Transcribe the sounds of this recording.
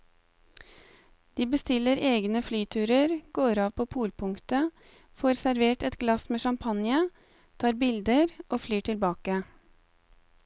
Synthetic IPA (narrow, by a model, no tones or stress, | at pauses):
d̪̥iːbəst̪ɪləɾeːɡnəflyːt̪ʰʉːɾəɾɡ̥oːɾɑːʋpʰoːpʰuːlpʰʊŋt̪ə | foːɾsæɾʋeːʈɛt̪ɡlɑsmeːʃɑmpʰɑnjə | t̪ʰɑːɾbɪld̪əɾʔoːflyːʈʰɪlbɑːkə